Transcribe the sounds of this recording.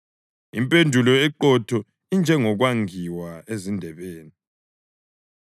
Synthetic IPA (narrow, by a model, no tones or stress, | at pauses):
impʼendʱulɔɛǃɔtʰɔ | ind͡ʒʱɛŋɔɣwaŋiwaezindʱɛβeːni